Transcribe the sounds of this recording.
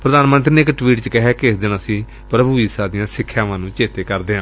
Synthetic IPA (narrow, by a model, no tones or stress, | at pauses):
pɾəd̪aːnmə̃nt̪ɾiːneɪkʈʋiːʈt͡ʃəkɪɦɛːkɪɪsd̪ɪnãːsiː | pɾəbuːiːsaːd̪ɪjãːsɪkʰːjãːʋãːnũːt͡ʃeːt̪eːkəɾd̪eːɦãː